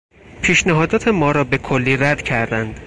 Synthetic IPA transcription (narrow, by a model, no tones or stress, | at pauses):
pʰiːʃnæɦɒːd̪ɒːt̪ʰe̞mɒːɾɒːbe̞kʰolːiːɾæd̪̥cʰæɾd̪ænd̪̥